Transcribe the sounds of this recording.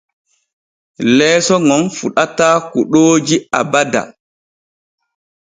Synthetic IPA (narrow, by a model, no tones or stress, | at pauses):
lɛːsɔŋɔnfuɗataːkuɗoːd͡ʒia̰bada̰